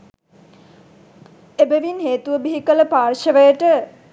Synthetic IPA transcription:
ebəʋinɦeːt̪uʋəbiɦikələpaːrʃəʋəjəʈə

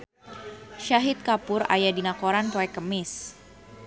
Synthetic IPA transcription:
ʃaɦit̪̚kapʊɾa̰jadinakoɾanpoɛkəmɪs

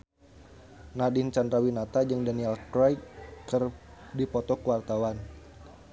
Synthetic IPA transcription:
nadint͡ʃandɾawinat̪ad͡ʒɨŋdaniɛlkɾajkərdipɔt̪ɔkəwart̪awan

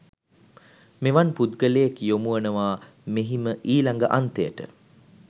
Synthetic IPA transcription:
meʋanpud̪ɡəleːkijomuʋənəʋaː | meɦiməʔiːlaŋɡəʔant̪əjəʈə̰

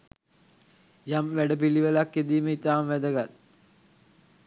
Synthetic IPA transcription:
jamʋæɖəp̬iliʋəlakːed̪iːməit̪aːmʋæd̪əɡat̪̚

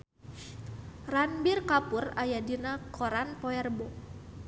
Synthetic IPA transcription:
ranbirkapʊrajadinakʰɔɾanpɔɛrbɔ

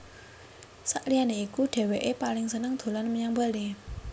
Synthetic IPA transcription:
saʔlianeikuɖ̥e̤weʔepalɪŋsənəŋd̪̥o̤lanməɲaŋbali

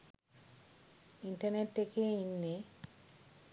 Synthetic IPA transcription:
inʈɐɾneʈt̪ekeinːe

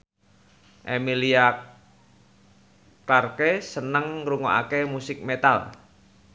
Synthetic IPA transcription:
ʔemilia | klarkesənəŋruŋo̰a̰kemusɪk̚met̪a̰l

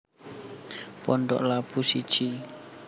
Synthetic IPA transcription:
pɔɳɖɔ̰ʔlapusi̥t͡ʃi

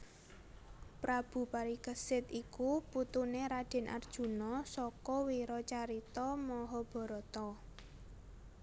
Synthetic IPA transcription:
pɾab̥ṳpaɾikəsɪt̪ikuput̪uneɾad̥ɛ̤nʔa̰rd̥ʒ̥ṳnɔsɔkɔwiɾɔt͡ʃaɾit̪ɔmɔɦɔb̥ɔ̤ɾɔt̪ɔ

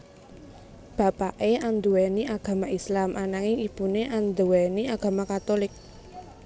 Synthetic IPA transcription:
b̥a̤paʔeand̪uweniʔaɡ̥a̤maislamʔanaŋiŋipuneʔand̪uweniaɡ̥a̤makat̪olɪk̚

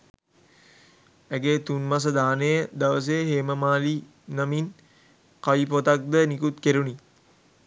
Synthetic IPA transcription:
æɡet̪unmas̬əd̪aːnəjəd̪aʋəs̬ejəɦeːməmaːli | namin | kaʋip̬ot̪ak̚d̪ənikut̪keɾuni

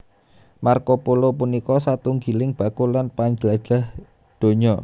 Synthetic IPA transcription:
markopulopunikɔsat̪uŋɡilɪŋb̥a̤kulanpaɲd͡ʒəlḁʒ̥a̤h | d̪̥o̤ɲɔ

